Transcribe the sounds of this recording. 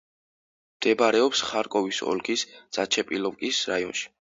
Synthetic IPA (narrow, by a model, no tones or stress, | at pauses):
md̪̥ɛbaɾɛɔpsχaɾkʼɔvisɔ̰lɡisd̪z̥at͡ʃʰɛpʼilˠɔvkʼisɾaiɔnʃi̥